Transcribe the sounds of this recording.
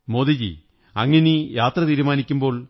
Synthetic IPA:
moːðid͡ʑḭ | ɐŋːɐnejaːt̪rɐt̪iːɾumaːnikʲːumbo̞ːɭ

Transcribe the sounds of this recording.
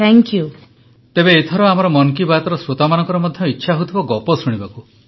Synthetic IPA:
t̪ʰɛŋkju | t̪ebeːt̪ʰɔɾɔamɔɾɔmɔnkibat̪ɔɾɔsɾot̪amanɔŋkɔɾɔmɔd̪ʱjɔitːʃʰaɦot̪ʰibɔɡɔpɔsuɽ̃ibaku

